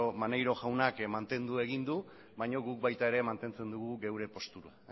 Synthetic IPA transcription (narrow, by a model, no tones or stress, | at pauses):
omanejɾo̞ʝawnakmant̪e̞nd̪ue̞ɣ̞ind̪u | βajɲo̞ɣuk̚bajt̪aeɾe̞mant̪e̞nt͡se̞nd̪uɣuɣe̞wɾe̞po̞st̪uɾa